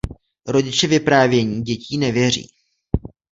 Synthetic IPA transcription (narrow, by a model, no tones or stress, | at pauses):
ɾo̞ɟɪt͡ʃɛvɪpɾaːvjɛɲiːɟɛciːnɛvjɛr̝ḭː